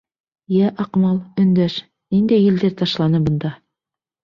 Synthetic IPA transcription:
jæʔɑqmɑlˠɵ̆nd̪æʃ | nind̪æjːɘ̆ld̪ɘɾt̪ɑʃlˠɑnɤbɤ̆nd̪ɑ

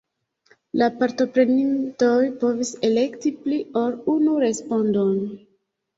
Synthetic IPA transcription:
lapaɾto̞pɾe̞ninto̞jpo̞vise̞le̞ktiplio̞ɾunuɾe̞spo̞ndo̞n

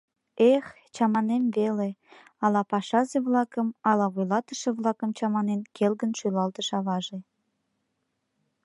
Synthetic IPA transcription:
ex | t͡ɕɑmɑnemvele | ɑlɑpɑʃɑzeβlˠɑkəmɑlɑβujlɑt̪ə̆ʃĕβlˠɑkəmt͡ɕɑmɑnenkelɣənʃylɑlt̪ə̆ʃɑβɑʒe

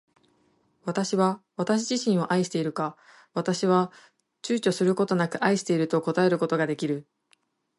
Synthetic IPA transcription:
βat̪aɕiβaβat̪aɕ̬iʑiɕĩɰ̃o̞ʔaiɕi̥t̪e̞iɾɯ̟ka | βat̪aɕiβ̞a | t͡ɕɨːt͡ɕo̞sɨɾɯ̟ko̞t̪o̞nakɯ̟ʔaiɕi̥t̪e̞iɾɯ̟t̪o̞ko̞t̪ae̞ɾɯ̟ko̞t̪o̞ɡad̪e̞kʲiɾɯ̟

